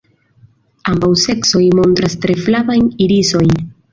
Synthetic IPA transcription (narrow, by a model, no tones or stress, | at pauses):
ambawseksojmont̪ɾast̪ɾeflaβajiɾisoj